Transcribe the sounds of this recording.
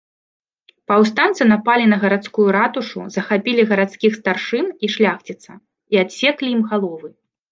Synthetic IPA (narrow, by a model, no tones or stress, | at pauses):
pɐws̬t̪ant̪sɨnapalʲinɐɣɐɾat̪skujuɾat̪uʂṵzɐxapʲilʲiɣɐɾat̪skʲixst̪arʂɨniʂlʲaxt͡sʲit̪sɐ | iat̪sʲɛklʲijimɣalˠɔvɨ